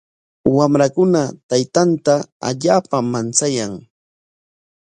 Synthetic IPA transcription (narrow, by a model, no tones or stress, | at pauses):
wamɾakʊnat̪ajt̪ant̪aa̰ʎaːpamant͡sajaŋ